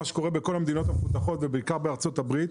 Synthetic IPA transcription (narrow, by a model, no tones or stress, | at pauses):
aʃe̥ko̞ʁebeko̞lamed̪ino̞t̪amefut̪aχo̞t̪vebeikaʁbeaʁt͡so̞t̪abʁit̪